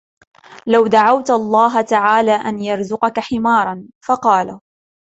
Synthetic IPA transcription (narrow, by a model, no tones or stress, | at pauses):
lawd̪aʕawt̪ʔɑlˤːɑːɦat̪aʕaːlaːʔanjɑɾˤzʊqɑkaħɪmɑːɾˤɑnfɑqɑːla